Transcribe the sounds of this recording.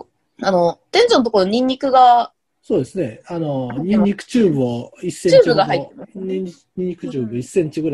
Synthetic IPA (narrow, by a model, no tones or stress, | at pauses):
ano̞t̪ẽ̞ɲd͡ʑonːt̪okooɲ̟ĩɲ̟ːikɯ̟ɡa | soːd̪e̞sɨne̞anoɲĩɲːikɯ̟̥t͡ɕɨːbɯ̟aisːẽt͡ɕɨːbɯ̟ɡahait̪ːenoɲiɲi | ɲʲĩɲːikɯ̟t͡ɕɯːbɯisːẽ̞ɲt͡ɕiɡɯɾa